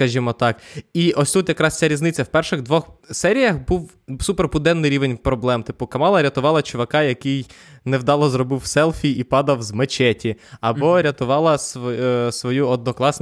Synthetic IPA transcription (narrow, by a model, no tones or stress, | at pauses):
skɐʒʲimɔt̪ɑkiʔɔsʲt̪ut̪jɐkɾɑst͡sʲaɾʲiznɪt͡sʲːɐwpɛrʃɪɣd̪ʋɔxsɛɾʲijɐxbuw | superpʊd̪ɛnːɪjɾʲiʋenʲpɾɔblˠɛmt̪ɪpʊkɐmɑlˠɐɾʲɐt̪ʊʋɑlˠɐt͡ʃʊʋɐkɑjɐkɪjnewd̪ɑlˠɔzrɔbɪwsɛlˠfʲiipɑd̪ɐwzmet͡ʃɛtʲiɐbɔɾʲɐt̪ʊʋɑlˠɐsɔsʋɔjuɔd̪̚nɔklˠɑs